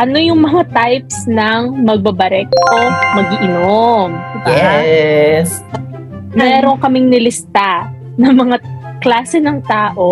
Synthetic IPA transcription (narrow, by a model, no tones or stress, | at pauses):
ʔɐno̞jʊŋmɐŋat̪ajp̚snɐŋmɐɡ̚bɐbɐɾɛk̚tomɐɡɪʔɪnombɐɛ | s | mɛːɾo̞ŋkɐmɪŋnɪlɪst̪a | nɐmɐŋaklaːsɛnɐŋt̪aːʔo̞